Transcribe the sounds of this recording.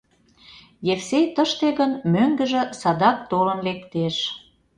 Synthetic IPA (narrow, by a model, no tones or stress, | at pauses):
jefsejt̪əʃt̪eɣənmøŋɡə̆ʒĕsɑd̪ɑk̚t̪olənlekt̪eʃ